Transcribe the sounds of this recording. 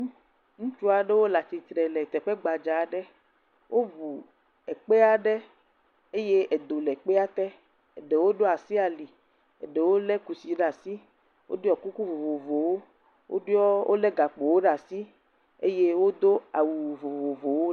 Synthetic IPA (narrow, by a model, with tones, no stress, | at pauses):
ŋũ˦t͡ʃu˦a˨ɖe˦wo˦la˨t͡ʃi˨t̪ɾɛ˨lɛ˨t̪ɛ˨ɸe˦ɡ͡ba˨d͡ʒa˨ɖe˦ | wʔo˦vu˨ | ɛ˨k͡pe˦a˦ɖe˦ | e˦je˦e˨d̪o˨lɛ˨k͡pe˦a˦t̪ɛ˦ | e˨ɖe˨wo˦ɖo˦a˨si˦a˨li˨ | ḛ˨ɖe˨wo˦lɛ˦ku˨si˨ɖa˨si˦ | wo̰˦do˦ɔ˨ku˦ku˦vo˨vo˨vo˨wo˦ | wʔo̰˦ɖɔ˦wʔo̰˦lɛ˦ɡa˨k͡po˨wo˦ɖa˨si˦ | ḛ˦je˦wo˦d̪o˦a˨wu˨vo˨vo˨vo˨wo˦